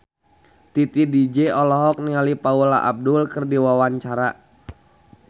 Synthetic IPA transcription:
t̪it̪idid͡ʒɛɔlɔɦɔk̚niŋalipaulaʔab̚dʊlkərdiwawaɲt͡ʃaɾa

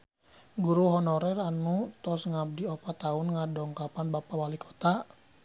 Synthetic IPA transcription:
ɡuɾuɦɔnɔɾɛranut̪ɔsŋab̚diɔpat̪aunŋadɔŋkapanbapawalikʰɔ̥t̪a

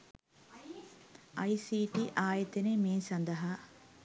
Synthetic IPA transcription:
ʔɐjsiːʈiʔaːjet̪enemiːnsɐnd̪ɐɦaː

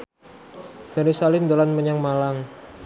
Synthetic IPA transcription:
d̥aɾisalɪmd̪alanməɲaŋmalaŋ

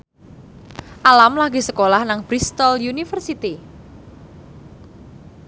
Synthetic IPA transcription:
ʔalamlaɡisəkolahnaŋbɾist̪ɔljunifərsit̪i

